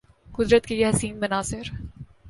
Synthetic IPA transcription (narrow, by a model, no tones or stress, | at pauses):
qʊd̪ɾət̪̚kejeɦɐsiːnbɐnaːsɪɾ